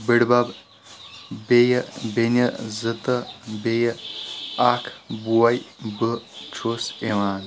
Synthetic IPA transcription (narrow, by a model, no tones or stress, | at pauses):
bəɽbɐb | bejəbenəzət̪əbejə | akʰbuwɐjbət͡ʃʰoːseʋaːn